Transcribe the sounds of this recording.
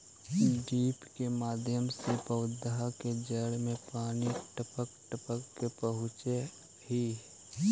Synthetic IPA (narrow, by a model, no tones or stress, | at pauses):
ɖiːpkemaːd̪ʱjəmsepəwd̪ɦaked͡ʒəɽmẽpaːniʈəpəkʈəpəkːepəɦʊt͡ʃe | ɦi